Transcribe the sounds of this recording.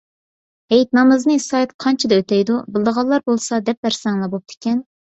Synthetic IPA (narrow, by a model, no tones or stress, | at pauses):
hɛjt̪nɑmɨznɨsɑjt̪qʰɑnt͡ʃʰɪd̪ɛøt̪ʰɛjd̪ubɨlˠd̪əʁɑlˠːɑɾbolˠsɑd̪ɛp̚bæɾsɛŋlˠɑbop̚t̪ʰɪ̥kʲɛn